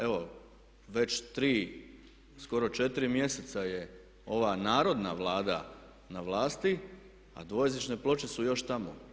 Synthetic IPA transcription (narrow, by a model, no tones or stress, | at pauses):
e̞ʋo | ʋe̞t͡ɕt̪ɾiː | sko̞ɾo̞t͡ʃe̞t̪iɾimje̞se̞t̪saje | o̞ʋanaːɾo̞d̪na̰ʋlˠaːd̪a | naʋlˠaːst̪i | a̰d̪ʋo̞jezit͡ʃne̞plˠo̞t͡ʃe̞sujo̞ʃt̪amo̰